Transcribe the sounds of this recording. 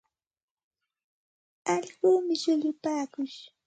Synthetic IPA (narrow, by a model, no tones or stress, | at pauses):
aʎɢuːmɪʃʊʎʊpaːkʊʃ